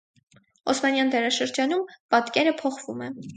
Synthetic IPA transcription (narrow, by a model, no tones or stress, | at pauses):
ɔsmɑnjɑnd̪ɛɾɑʃəɾd͡ʒɑnumpɑt̪kɛɾəpʰɔχvumɛ